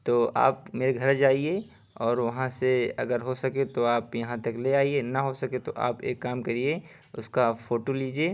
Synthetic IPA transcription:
t̪oːa̰ːpmeːɾeɡʱɐɾd͡ʒaːie | ɔːɾʋɐɦãseɐ̰ɡəɾɦosɐket̪oaːpjɐɦãt̪ɐkleaːienɐɦosɐket̪oʔa̰ːpḛːkːaːmkeɾie | ʊskafoːʈoliːd͡ʒieː

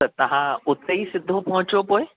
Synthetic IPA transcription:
ət̪ɐɦãut̪ːeisɪd̪ʱːopɔɦũt͡ɕopoj

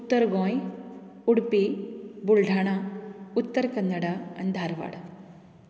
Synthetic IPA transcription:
ut̪ːɐɾɡoːj | uɽpibuɭɖʱaːɳɐut̪ːɐɾkɐnːɐɽɐɐnd̪ʱaːɾɐʋa̰ːɽɐ

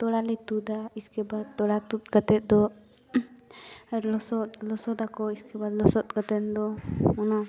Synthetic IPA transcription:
t̪ɔlalɛt̪ud̪aiskɛbat̪ɔlat̪ut̪kat̪ɛt̪̚ˀd̪ɔ | lɔsɔt̪lɔsɔd̪akɔiskɛbalɔsɔt̪̚kat̪ɛnd̪ɔɔna

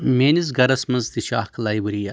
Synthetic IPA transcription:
meːnizɡɐɾɐsmɐnzt̪iʃa̰ːhkɐlaːjbɐɾija

